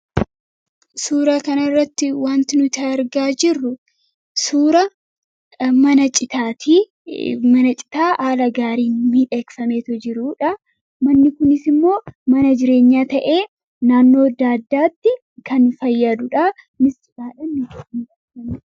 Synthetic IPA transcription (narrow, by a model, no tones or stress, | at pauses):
suːɾaːkɐnɐrːɐt̪ːɪwaːnt̪ɪnʊt̪ɐɐɾɡaːd͡ʒɪrːʊ | suːɾɐ | mɐnɐt͡ʃʼɪt̪aːt̪iː | mɐnɐt͡ʃʼɪ̥t̪aːʔaːlɐɡaːɾiːnmiːᶑekfɐmeːt̪ɔd͡ʒɪɾuːᶑɐ | mɐnːɪkʊnɪsɪmːo̞ːmɐnɐd͡ʒɪɾe̞ːɲːaːt̪ɐʔeː | naːnːo̞ːɐd̪aːd̪ːaːt̪ːɪ | kɐnfɐjːɐd̪ʊᶑɐ | mɪsɪᶑaːᶑɐnːʊd͡ʒɐʔɪnɡɐsɐmɪ